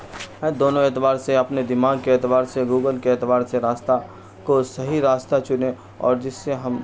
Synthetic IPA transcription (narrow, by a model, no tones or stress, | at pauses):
ɦɛ̃d̪oːnõeːt̪ʋaːɾseɐpned̪ɪmaːɡ̚keeːt̪ʋaːɾseɡuːɡəlkeeːt̪ʋaːɾseɾaːst̪a | kosɐɦiɾaːst̪at͡ʃʊne | ɔ̰ːɾd͡ʒɪsːeɦɐm